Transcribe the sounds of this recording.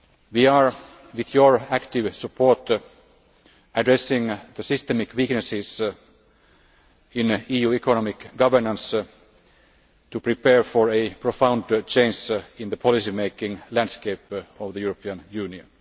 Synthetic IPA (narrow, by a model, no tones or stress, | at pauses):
ʋiːɑɹ | ʋiðjɔɹækt̪ɪʋsəpʰoːɹt | ædɹɛsɪ̃ŋðəsɪst̪ɛmɪkwiknəsɪs | ɪ̃niːjuːɛkonɔmɪkɡʌʋə˞nə̃ns | tupɹipeːɹfɔɹepʰɹofãʊ̃ndt͡ʃẽɪ̃nsɪ̃nðəpʰɔlisimeɪkɪ̃ŋlæ̃ndskeɪpɔʋðəjuːɹopʰiə̃njʉːniə̰̃n